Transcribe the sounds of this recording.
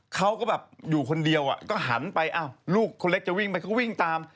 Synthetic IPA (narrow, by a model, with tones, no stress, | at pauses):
kʰa˦˥wkɔː˥˩bɛː˨˩p̚juː˨˩kʰo˧ndi˧əwʔa̰˨˩kɔː˥˩ɦa̰˩˦npa˧jʔaː˧˩wluː˥˩kʰːo˧le˦˥k̚t͡ɕa˨˩wi˥˩ŋpa˧jkʰa˦˥wi˥˩ŋt̪aː˧m